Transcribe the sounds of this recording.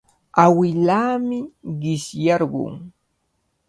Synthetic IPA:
awɪlaːmɪɢɪsjaɾɢʊ̰ŋ

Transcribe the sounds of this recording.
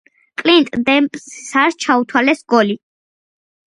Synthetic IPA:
kʼlint̪ʼd̪ɛmpʼssaɾst͡ʃʰaut̪ʰwalɛsɡɔli

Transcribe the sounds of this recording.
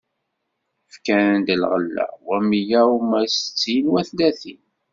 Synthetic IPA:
fkænnd̪əlʁəlːæ̰wæmijæumæsə̥t͡sːinwæθlæθin

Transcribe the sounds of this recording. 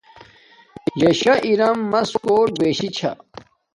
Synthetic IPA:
jɐɕɐʔiɾɐmːɐskoːɾbeːɕit͡ɕʰɐ̰

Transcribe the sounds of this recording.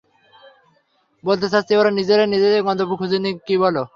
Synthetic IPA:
bolt̪̬esʰast̪ioɾanid͡ʑeɾanid͡ʑed̪eɡɔnd̪obukʰud͡ʑunikibolo

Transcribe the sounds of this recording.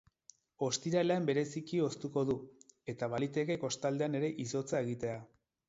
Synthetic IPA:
o̞st̪iɾaleembe̞ɾe̞sikio̞st̪uko̞ðue̞t̪aβalit̪e̞ke̞ko̞st̪ald̪e̞ane̞ɾe̞ʔiso̞t͡sae̞ɣit̪e̞a

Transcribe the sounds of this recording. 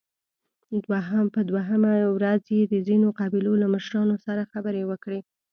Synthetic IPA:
d̪waɦapəd̪waɦəmawɾazjed̪əzinoqɑbɪlolaməʃɾɑnosaɾaxabəɾewəkɽe

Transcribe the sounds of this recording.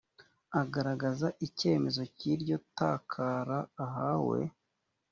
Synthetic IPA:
aɡaɾaɡazaʔice̞ːme̞zo̞ciɾɟo̞taːkʰaːɾaːɦawe̞̰

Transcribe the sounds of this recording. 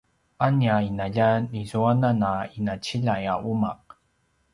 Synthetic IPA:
ʔaniainaʎanizuananainat͡ɕiʎajaʔuma̰q̚

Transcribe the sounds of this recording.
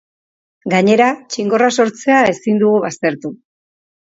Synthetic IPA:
ɡaɲe̞ɾat͡ʃiŋɡo̞raso̞ɾt͡se̞ae̞sind̪uɣuβast̪e̞ɾt̪u

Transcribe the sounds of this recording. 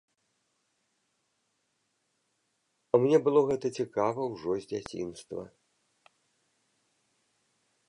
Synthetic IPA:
ɐmnʲɛbɨlˠɔɣɛt̪ɐt͡sʲikavɐwʐɔzʲd͡zʲat͡sʲḭnst̪vɐ̰

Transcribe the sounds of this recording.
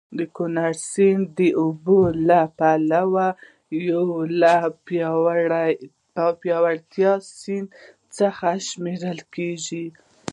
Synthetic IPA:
d̪əkʊnaɾsind̪əʔubolapalawa | jawla | a | pjɑwaɽt̪jɑsin | t͡səxaʃmeɾəlkeʒi

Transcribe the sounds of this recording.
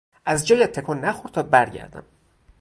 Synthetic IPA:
ʔæzd͡ʒɒːjæt̪ʰːekʰonːæxoɾt̪ʰɒːbæɾɟæ̰ɾd̪æ̰m

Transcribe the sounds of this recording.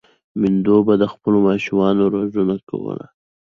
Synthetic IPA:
mɪnd̪obad̪əxpəlomɑʃumɑnoɾozunaka̰wə̰la̰

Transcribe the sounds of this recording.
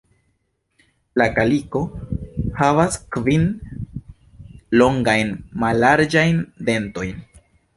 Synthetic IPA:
lakaliko̞havaskvin | lo̞ŋɡajnmalːaɾd͡ʒajnde̞nto̞jn

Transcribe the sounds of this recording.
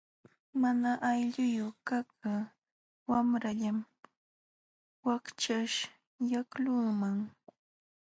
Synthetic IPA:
manaʔajʎʊjʊkakʰa | wamɾaʎam | wakt͡ʃaʃ | jaklʊŋmaŋ

